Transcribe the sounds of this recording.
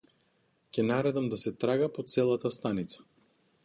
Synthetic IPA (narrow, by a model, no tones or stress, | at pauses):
cʲɛnaɾɛd̪amd̪asɛt̪ɾaɡapot̪sɛlˠat̪ast̪anit̪sḁ